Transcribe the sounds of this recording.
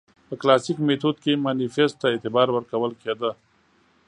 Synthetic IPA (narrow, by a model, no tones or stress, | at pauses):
pəklaːsikmet̪ʰud̪̚kemaːnifesʈt̪aet̪ɪbaːɾwəɾkɐwəlked̪ə